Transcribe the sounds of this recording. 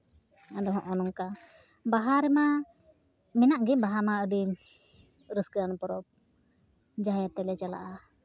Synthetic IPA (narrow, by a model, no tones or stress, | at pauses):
ad̪ɔɦɔ̃ʔɔnɔŋka | baɦaɾɛma | mɛnaʔɡɛbaɦamaəɖi | ɾəsɡanpɔɾɔp̚ | d͡ʒajat̪ɛlɛt͡ʃala̰ʔa